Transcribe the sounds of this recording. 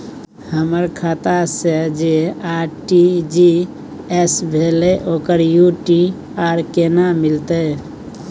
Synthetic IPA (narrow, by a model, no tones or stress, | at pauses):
həməɾkʰaːt̪ased͡ʒeaːɾʈid͡ʒi | ɛsbʱeːleʔoːkəɾjuʈi | aːɾkenamɪlt̪e